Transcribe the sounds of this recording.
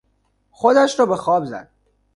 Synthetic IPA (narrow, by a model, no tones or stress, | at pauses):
xod̪æʃɾɒːbexɒːbzæ̰d̪̥̚